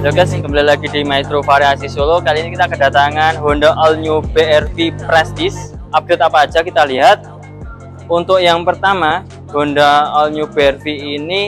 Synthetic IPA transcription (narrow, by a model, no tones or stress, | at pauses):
loɡasɪŋkəmbalalaɡidimait̪ɾofaɾiasisolokalinikit̪akədat̪aŋanɦondaʔɔlɲubeɛrfipɾɛst̪is | ʔap̚d̥et̪̚apḁːd͡ʒ̥akit̪aliɦat̪̚ | unt̪ʊkjaŋpərt̪ama | hondaɔlɲubeɛrfiːni